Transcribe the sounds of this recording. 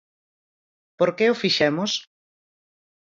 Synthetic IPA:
poɾkeʊfiʃɛmʊs

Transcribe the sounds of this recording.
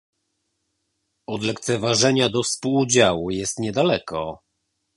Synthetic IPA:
ɔd̪lɛkt̪sɛvaʐɛɲad̪ɔfspuwd͡ʑawujɛst̪ɲɛd̪alɛkʰɔ

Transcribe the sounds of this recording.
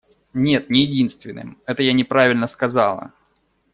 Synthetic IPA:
nʲe̞t̪̚nʲɪjɪdʲinst̪vʲɪnːɨ̰mɛt̪əjanʲɪpɾavʲɪlʲnəskɐzɑlˠə̰

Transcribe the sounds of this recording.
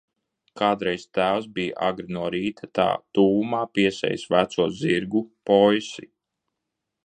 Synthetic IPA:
kaːd̪ɾɛjst̪æːws̬bijʔa̰ɡɾinuɔɾiːt̪ʰat̪a̰ːt̪uːumaːpiɛsɛ̰jsvæt̪suɔziɾɡupɔjsi

